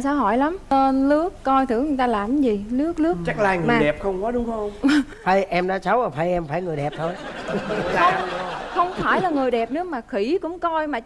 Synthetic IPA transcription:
saː˨˦wɦɔ˧˩jla˨˦mt̪e˧nlɨ˦˥əkːɔ˧jt̪ʰɨ̰˧˩˦ɲ˨˩jt̪aː˧laː˨˩mzi˨˩lɨ˦˥ək̚lɨ˦˥ək̚t͡ɕa˦˥k̚laː˧jŋɨ˨maː˩˨˩jɗɛ˨˩p̚xə˧wŋ͡mkɔ˨˦ɗʊ˨˦ŋ͡mhə˧wŋ͡m | pʰə˧jʔɛ˧mɗaː˨˥t͡ɕa˨˦wʔəː˨˩pʰə˧jʔɛ˧mfaː˧˩jŋɨ˨˩əjɗɛ˨˩p̚t̪ʰo˧j | xə˧wŋ͡mfaː˧˩jlaː˨˩ŋɨ˨˩əjɗɛ˨˩p̚nɨ˨˦əmaː˨˩xi˧˩˦kʊ̰˧˥ŋ͡mkɔ˧jmaː˨˩

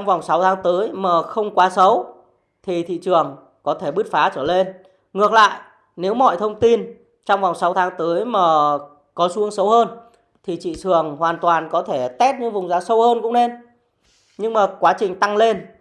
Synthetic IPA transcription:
wŋ͡mva˨˩wŋ͡msa˨˦wt̪ʰaː˨˦ŋt̪əː˨˦jmaː˨˩xə˧wŋ͡mkwaː˨˦sə˨˦w | t̪ʰi˨˩t̪ʰḭ˧˨t͡ɕɨ˨˩əŋ | kɔ˨˦t̪ʰe˧˩ɓɨ˦˥t̚faː˨˦t͡ɕəː˧˩le˧n | ŋɨ˨˩ək̚la̰ː˧˨jʔ | ne˨˦wmɔ̰˧˨jt̪ʰə˧wŋ͡mt̪i˧n | t͡ɕɔ˧wŋ͡mva˨˩wŋ͡msa˨˦wt̪ʰaː˨˦ŋt̪əː˨˦jmaː˨˩ | kɔ˨˦su˨˦əŋsə˨˦whəː˧n | t̪ʰi˨˩t͡ɕḭ˧˨t͡ɕɨ˨˩əŋhwaː˨˩nt̪waː˨˩nkɔ˨˦t̪ʰe˧˩t̪ɛ˦˥t̚ɲɨ̰˧˥ŋvʊ˨˩ŋ͡mzaː˨˦sə˧whəː˧nkʊ̰˧˥ŋ͡mne˧n | ɲɨ˧ŋmaː˨˩kwaː˨˦t͡ɕï˨˩ŋ̟t̪a˧ŋle˧n

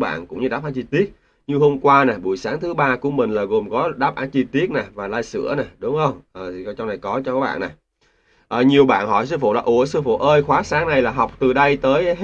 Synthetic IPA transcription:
ɓa̰ː˧˨nkʊ̰˧˥ŋ͡mɲɨ˧a̰ː˦˥p̚faː˨˦jt͡ɕi˧t̪i˦˥ət̚ | ɲɨ˧ɦo˧mkwaː˧na˨˩ɓṵ˧˨jsaː˨˦ŋt̪ʰɨ˨˦ɓaː˧ku˧˩əmï˨˩ŋ̟laː˨˩ɣo˨˩mkɔ˨˦ɗaː˦˥p̚ʔaː˨˦nt͡ɕi˧t̪i˦˥ət̚na˨˩vaː˨˩laː˧jsɨ̰˧˥əna˨˩ɗʊ˨˦ŋ͡mxə˧wŋ͡mʔəː˨˩˨t͡ɕɔ˧wŋ͡mna˨˩jkɔ˨˦t͡ɕɔ˧kɔː˨˦˥ɓ̰ːna˨˩j | ʔəː˨˩ɲi˨˩əwɓa̰ː˧˨nhɔ̰˧˩jsɨ˧fṵ˧˨la̰ː˨˩ʔu˧˩əsɨ˧əfṵ˧˨ʔəː˧jxwaː˨˦saː˨˦ŋna˨˩jlaː˨˩ɦa˨˩wk͡p̚t̪ɨ˨˩ɗə˧jt̪əː˨˦j

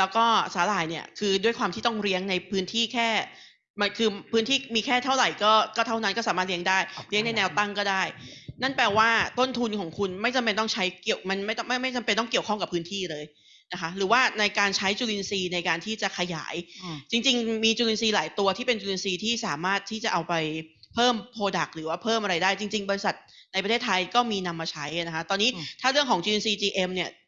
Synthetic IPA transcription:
lɛː˦˥wkɔː˥˩saː˩˦laː˨˩˦jni˥˩ɐkʰɯː˧du˥˩əjkwaː˧mt̪ʰiː˥˩t̪ɔ˥˩ŋɾi˦˥əŋna˧jpʰɯː˦˥nt̪ʰiː˥˩kʰɛː˥˩ | ma˧nkʰɯː˧pʰɯː˦˥nt̪ʰiː˥˩miː˧kʰɛː˥˩t̪ʰa˥˩wɾa˨˩jkɔː˥˩kɔː˥˩t̪ʰa˥˩wna˦˥nkɔː˥˩saː˨˦maː˥˩t̪̚li˦əŋdaː˥˩jɾi˦˥əŋna˧jnɛː˧wt̪a˥˩ŋkɔː˥˩daː˥˩jna˥˩npɛː˧waː˥˩t̪o˥˩nt̪ʰu˧nkʰɔː˩˦ŋkʰu˧nma˥˩jt͡ɕa˧mpe˧nt̪ɔ˥˩ŋt͡ɕʰa˦˥jki˨˩əwma˧nma˥˩jma˥˩jma˥˩jt͡ɕa˧mpe˧nt̪ɔ˥˩ŋki˨˩əwkʰɔ˥˩ŋka˨˩pʰːɯː˦˥nt̪ʰiː˥˩lɤː˧j | na˦˥kʰa˦˥ɾɯː˩˦waː˥˩na˧jkaː˧nt͡ɕʰa˦˥jt͡ɕuː˧li˧nsiː˧na˧jkaː˧nt̪ʰiː˥˩t͡ɕa˨˩kʰa˧ja̰ː˩˦jt͡ɕi˧ŋt͡ɕi˧ŋmiː˧t͡ɕuː˧li˧nsiː˧laː˩˦jt̪u˧ɐt̪ʰiː˥˩pe˧nt͡ɕuː˧li˧nsiː˧t̪ʰiː˥˩saː˩˦maː˥˩t̪ʰːiː˥˩t͡ɕa˨˩ʔa˧wpa˧j | pʰɤː˥˩mpʰoː˧da˨˩k̚ɾɯː˩˦waː˥˩pʰɤː˥˩mʔa˧ɾa˧jdaː˥˩jt͡ɕi˧ŋt͡ɕi˧ŋbɔː˧ɾi˧sa˨˩t̪̚na˧jpɾʰeː˥˩t̪ʰːa˧jkɔː˥˩miː˧na˧mːaː˧t͡ɕʰa˦˥ja˨˩na˦kʰa˦˥t̪ɔː˧nːiː˦˥t̪ʰaː˥˩ɾɯ˥˩əŋkʰɔː˩˦ŋt͡ɕuː˧e˧nsiː˧t͡ɕiː˧ʔe˧mni˥˩ɐ

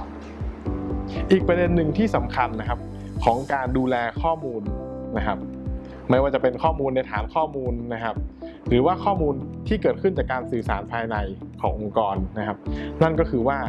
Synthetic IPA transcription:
ʔiː˨˩k̚pɾa˧de˧nːɯ˨˩ŋt̪ʰiː˥˩sa˩˦mkʰa˧nːa˦˥kʰa˦˥p̚ | kʰɔː˩˦ŋkaː˧nduː˧lɛː˧kʰɔː˥˩muː˧nːa˦˥kʰa˦˥p̚ | ma˥˩jwaː˥˩t͡ɕa˨˩pe˧nkʰɔː˥˩muː˧nːa˧jt̪ʰa̰ː˩˦nkʰɔː˥˩muː˧nːa˦˥kʰa˦˥p̚ | ɾɯː˩˦waː˥˩kʰɔː˥˩muː˧nt̪ʰiː˥˩kɤː˨˩t̪̚kʰɯ˥˩nt͡ɕaː˨˩kːaː˧nsɯː˨˩sa̰ː˩˦npʰaː˧jna˧jkʰɔː˩˦ŋʔo˧ŋkɔː˧nːa˦˥kʰa˦˥p̚na˥˩nkɔː˥˩kʰɯː˧waː˥˩

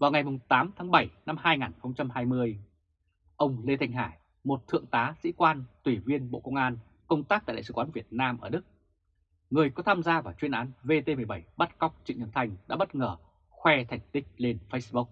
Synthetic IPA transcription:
vaː˨˩wŋa˨˩jmʊ˨˩ŋ͡mt̪aː˨˦mt̪ʰaː˨˦ŋɓə˧˩jna˧mɦaː˧jŋaː˨˩nxə˧wŋ͡mt͡ɕa˧mhaː˧jmɨ˧əj | ʔə˧wŋ͡mle˧t̪ʰa˧jŋ̟ɦaː˧˩j | mo˨˩t̚t̪ʰɨ̰˧˨əŋt̪aː˨˦sḭ˧˥kwaː˧nt̪wi˧˩vi˧ənɓo̰˧˨kə˧wŋ͡mʔaː˧n | kə˧wŋ͡mt̪aː˦˥k̚t̪a̰ː˧˨˧sɨ˨˩waː˨˦nvi˨˩ət̚naː˧mʔəː˧˩ɗɨ˦˥k̚ | ŋɨ˨˩əjkɔ˨˦t̪ʰaː˧mzaː˧vaː˨˩wt͡ɕwi˧ənʔaː˨˦nve˧t̪e˧mɨ˨˩əjɓə˧˩jɓə˦˥t̚ka˦˥wk͡p̚t͡ɕḭ˧˨ɲə˨˩nt̪ʰa˧jŋ̟ɗa̰ː˧˥ɓə˦˥t̚ŋəː˧˩ | xwɛ˧t̪ʰa˨˩ŋ̟t̪ï˦˥k̟̚le˧nfə˧˦˥jsɓu˦˥k̚

